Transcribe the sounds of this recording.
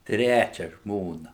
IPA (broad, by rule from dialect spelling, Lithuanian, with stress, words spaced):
ˈtʲrʲæt͡ʃʲɛ ˈʒmoːnɐ